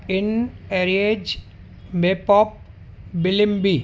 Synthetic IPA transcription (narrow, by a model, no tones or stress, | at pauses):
ɪneːɾied͡ʒ | meːpɔːp̚ | bɪlɪmbi